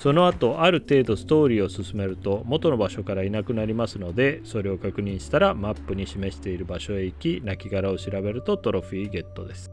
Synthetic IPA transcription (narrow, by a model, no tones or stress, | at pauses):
so̞no̞at̪o̞ʔaɾɯ̟t̪e̞ːd̪o̞sɨ̥t̪o̞ːɾʲiːo̞sɨsɨme̞ɾɯ̟t̪o̞mo̞t̪o̞no̞baɕo̞kaɾainakɯ̟naɾʲimasɨno̞d̪e̞so̞ɾe̞o̞kakɯ̟ɲ̟ĩɕi̥t̪aɾamapːɯ̟ɲ̟iɕime̞ɕi̥t̪e̞iɾɯ̟baɕo̞e̞ikʲinakʲiɡaɾao̞ɕiɾabe̞ɾɯ̟t̪o̞t̪o̞ɾo̞ɸiːɡe̞t̪ːo̞d̪e̞sɨ̥